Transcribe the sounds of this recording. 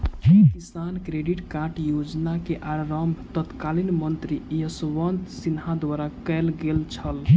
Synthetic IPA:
kisankɾeɖiʈkaɾʈjod͡ʒnakeʔaɾəmbʱt̪ət̪kalinmənt̪ɾijəsʋənd̪sinɦad̪ʋaɾakɛlɡelt͡ʃʰəl

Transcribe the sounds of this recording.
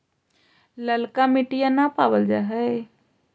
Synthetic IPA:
ləlkamiʈijanapabəld͡ʒa̰ɦə

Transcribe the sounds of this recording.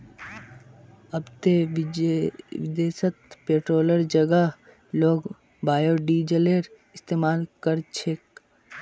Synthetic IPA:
ɐbt̪e | ʋɪd̪eːsət̪peːʈɾoːləɾd͡ʒəɡa | loːɡ | baːjoːɖiːd͡ʒəleːɾ | ɪst̪eːmaːlkəɾt͡ʃʰek

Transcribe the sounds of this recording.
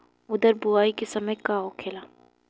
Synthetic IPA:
ʊd̪əɾbʊaːikesɐməjkaokʰeːlaː

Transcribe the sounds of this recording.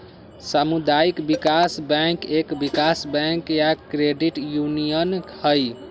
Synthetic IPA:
samud̪aikbikasbɛ̃ŋkekbikasbɛŋkjakɾeɖiʈjunijənhəj

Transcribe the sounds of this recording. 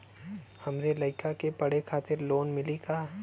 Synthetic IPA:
hɐmɾelɐɪkakepɐɽekʰaːt̪ɪɾloːnmɪlikaː

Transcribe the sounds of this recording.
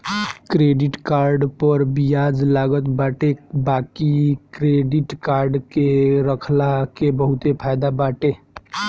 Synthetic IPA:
kɾeɖiʈkaɾɖpəɾbijad͡ʒlaɡət̪baːʈebakikɾeɖiʈkaɾɖkeɾəkʰlakebəɦut̪epʰajd̪abaʈe

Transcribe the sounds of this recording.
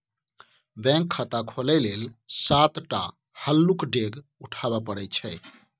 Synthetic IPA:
bɛ̃ŋkʰːət̪akʰolɛlelsat̪ʈa | həlːukɖeɡ | uʈʰabapəɽɛt͡ʃʰɛɪ

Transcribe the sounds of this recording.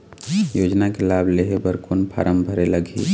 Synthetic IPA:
jod͡ʒnakelableɦebəɾkunpʰa̰ɾʔəmbʱəɾeləɡʱḭ

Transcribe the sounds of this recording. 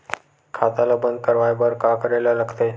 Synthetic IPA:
kʰat̪alabənd̪̚kəɾʋajbəɾkakəɾajlaləɡt̪e

